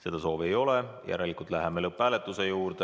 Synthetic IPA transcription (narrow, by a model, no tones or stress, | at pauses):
se̞d̪̥ɑso̞ːve̞jo̞lejʔæ̰ɾɑlikːˑult̪ˑlæɦeme̞lɤpːˑæːle̞t̪ːˑuse̞juːɾd̪̥e